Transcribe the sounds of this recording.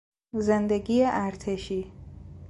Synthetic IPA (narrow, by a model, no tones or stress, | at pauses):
zend̪eɡiːeʔæɾt̪ʰeʃiː